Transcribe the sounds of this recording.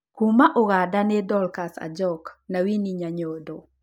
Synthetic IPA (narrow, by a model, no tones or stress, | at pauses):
kumaʔoɣadanɛdɔlkasa̰d͡ʒɔknawiniɲaɲodo